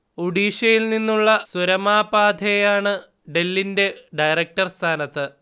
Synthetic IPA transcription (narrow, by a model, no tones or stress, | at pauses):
oɖiːʂɐjilninːuɭːɐsuɾɐmaːbaːd̪ʱɐjaːɳɨ | ɖe̞lːinde̞ɖɐjrɐk̚ʈɐrst̪ʰaːnɐt̪ːɨ